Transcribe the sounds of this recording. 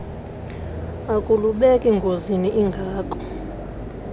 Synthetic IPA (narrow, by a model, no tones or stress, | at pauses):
akʼuluɓɛkʼɛŋɡʱoziniʔiŋɡʱaːkʼɔ̥